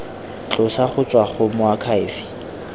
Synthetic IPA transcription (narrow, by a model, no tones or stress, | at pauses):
t͡ɬʼʊsaχʊt͡sʼwaχʊmʊakʰaɪːfi̥